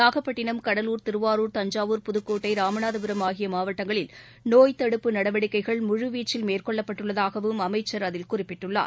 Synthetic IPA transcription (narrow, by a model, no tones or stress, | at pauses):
aːɣɐpːɐʈːɪnɐmkɐɽɐluːɾt̪ɪɾɯʋaːɾuːɾt̪ɐɲd͡ʒaːʋɯːɾpʊðɯkːoːʈːɐɪɾaːmɐnaːðɐbɯɾɐmaːɣɪjɐmaːʋɐʈːɐŋɡɐɭɪl | noːjt̪ɐɽɯpːɯnɐɽɐʋɐɽɪkːɐɪɣɐɭmʊɻɯʋiːt͡ʃːɪlmeːrkɔɭːɐpːɐʈːɯɭːɐðaːɣɐʋɯmɐmɐɪt͡ʃːɐɾɐðɪlkʊrɪpːɪʈːɯɭːa̰ːɾ